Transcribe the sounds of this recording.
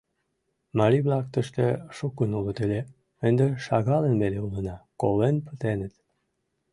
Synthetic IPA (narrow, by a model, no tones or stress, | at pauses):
mɑɾʲiβlɑk̚t̪əʃt̪eʃukːənulət̪elʲe | ənd̪eʃɑɣɑlenβeleulənɑkolenpə̥t̪enət̪